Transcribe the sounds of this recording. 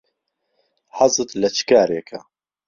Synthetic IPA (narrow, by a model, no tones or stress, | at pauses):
ħɑzˤɨt̪lɐt͡ʃʰɨ̥kaːɾeːkʰɐ